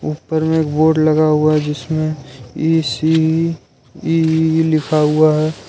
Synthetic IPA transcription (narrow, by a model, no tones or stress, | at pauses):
uːpːəɾmeeːkboːɖləɡaɦuaɦɛd͡ʒɪsmẽisi | ilɪkʰaɦuaɦɛː